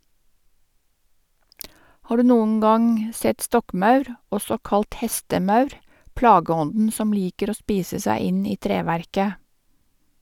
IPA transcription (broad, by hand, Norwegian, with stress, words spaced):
ˈhɑː ˈɖʉː ˈnuːŋ̍ ˈɡɑŋ ˈsɛt ˈstɔkˌmɑʉɾ ˈɔsɔ ˈkɑlt ˈhɛstəˌmɑʉɾ ˈplɑːɡəˌɔndn̩ ˈsɔm ˈliːkəɾ ˈoː ˈspiːsə ˈsæɪ ˈɪn ˈiː ˈtɾeːʋæɾkə